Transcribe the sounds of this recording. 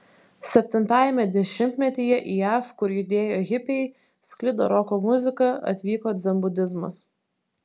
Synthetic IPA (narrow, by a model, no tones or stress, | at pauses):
sʲɛpʲt̪ʲɪnt̪ɑːjɛmʲɛd̪ʲɛʃʲɪmʲt̪ʲmʲɛt̪ʲiːjɛʔiːjæːfkʊɾjʊd̪ʲeːjoːɛɣʲɪpʲɛɪ | sʲklʲɪd̪o̰ːɾɔkoːmʊzʲɪkɐɐ̰t̪ʲʋʲiːkoːd̪zʲɛmbʊd̪ʲɪzmɐ̰s